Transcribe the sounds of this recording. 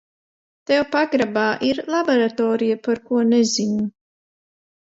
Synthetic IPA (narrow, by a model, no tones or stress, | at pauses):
t̪ɛwpaɡɾabaːʔiɾlˠaboɾat̪ɔːɾijapaɾkuɔnɛzinu